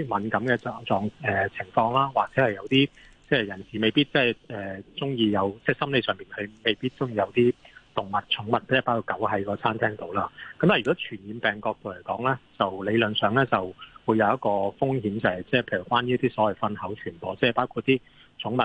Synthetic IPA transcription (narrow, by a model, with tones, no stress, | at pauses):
mɐ˨˥nkɐ˨˥mkɛː˧ɔ˨t͡sɔː˨˧ŋɛː˨t͡sʰɪ˨˩ŋfɔː˧ŋlaː˥waː˨k̚t͡sɛː˨˥hɐ˨jɐ˨˧wt̪iː˥ | t͡sɛː˥˨jɐ˨˩nsiː˨˩me˨jpiː˥t̚t͡sɛː˥˩ɛː˨t͡sʊ˥ŋjiː˧jɐ˨˧wt͡sɛː˥˩sɐ˥mle˨˧sœː˨˩ŋpiː˨nkʰɵ˨˧ɥme˨˩jpiː˥t̚t͡sʊ˥ŋjiː˧jɐ˨˧wt̪iː˥t̪ʊ˨ŋmɐ˨t̚t͡ʃʰʊ˨˥ŋmɐ˨t̚pːpaː˥kʰuː˧˩kɐ˨˥wɦɐ˨˥jkɔː˧t͡sʰaː˥nt̪ʰɛː˥ŋt̪o˨˧˥wlaː˧kɐ˨˥mt̪aː˨˩y˨kɔː˨˥t͡ʃʰyː˨˩njiː˨˧npɛː˨˩ŋkɔː˧k̚t̪o˨wle˨˩jkɔː˨˥ŋlɛː˥t͡sɐ˨wle˨˧jlɵ˨˩nsœː˨˧ŋlɛː˥t͡sɐ˨wwu˨˧jɐ˨˧wjɐ˥t̚kɔː˧fʊ˥ŋhiː˨˥mt͡sɐ˨˩hɐ˨˩jt͡sɛː˥pʰe˧jy˨˩kwaː˥niː˥t̪iː˥sɔː˨˥wɐ˨jfɐ˥nhɐ˨˥wt͡ʃʰyː˨˩npɔː˨˩t͡sɛː˥˨˩paː˥wkʰu˧t̚t̪ːiː˥ | t͡ʃʰʊ˨˥ŋmɐ˨t̚